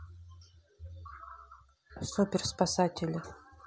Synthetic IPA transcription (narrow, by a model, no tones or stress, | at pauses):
sopʲɪrspasatʲɪlʲɪ